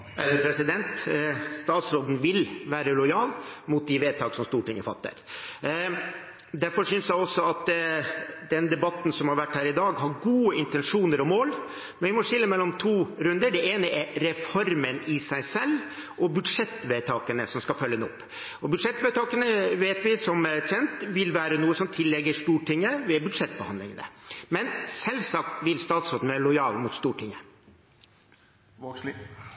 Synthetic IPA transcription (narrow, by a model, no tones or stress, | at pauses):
ɛləpʰɾɛsɪd̪ɛnt̪st̪ɑːt̪sɾoːd̪nʋɪlʋæːɾəlɔjɑːlmʊt̪̚d̪ɪʋeːd̪̚t̪ʰɑːksɔmst̪uːʈɪŋːəfɑ̰t̪ːə̰ɾ | d̪æɾfɔɾʂʏnsjæɔsːɔɑt̪ | d̪ɛnd̪ɛbɑt̪ːn̩sɔmhɑɾʋæʈːhæːɾɪd̪ɑːɡɦɑɾɡuːəɪnt̪ɛnʂuːnəɾɔmoːl | mɛnʋɪmɔʂɪlːəmɛlːɔmt̪ʰuːɾʉnd̪əɖɛeːnəʔɛɾɾɛfɔɾmənɪsæɪsɛlː | ʔɔbʉd̪ʂɛt̪ːʋɛɪt̪ʰɑːkənəsɔmskɑfœlːənɔpː | ɔbʉd̪ʂɛt̪ʋɛt̪ʰɑːkənəʋeːt̪ʋɪsɔmɛçɛnt̪ʋɪlʋæːɾənuːəsɔmt̪ʰɪlːɛɡːəʂt̪uːʈʰɪŋːəʋɪɛbʉd̪ʂɛt̪ːbəhɑ̰nd̪lɪ̰ŋənə̰mɛnsɛlsɑk̚t̪ʋɪlst̪ɑːt̪sɔːd̪nʋɛlɔjɑːlmʊt̪st̪uːʈʰɪŋːə